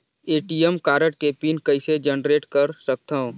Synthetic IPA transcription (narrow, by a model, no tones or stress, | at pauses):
eːʈiːəmkaːɾəʈ̚kepiːnkɐɪsed͡ʒənɾeːʈkɐɾsɐk̚t̪aɦõː